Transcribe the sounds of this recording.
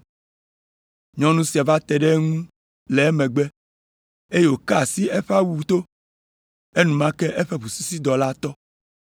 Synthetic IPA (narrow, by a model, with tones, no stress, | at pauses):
ɲɔ̃˦nũ˦si˨a˨va˦t̪ɛ˨ɖɛ˦ŋũ˦ | lɛ˨ɛ˦mɛ̃˨ɡ͡bɛ˦ | e˦je˦˨wo˨ka˦a˨si˦e˦ɸa˦wu˨t̪o˦ | e˦nũ˨mã˦kɛ˦ʔe˦ɸe˦ɸu˨su˦si˦d̪ɔ˨la˦t̪ɔ˦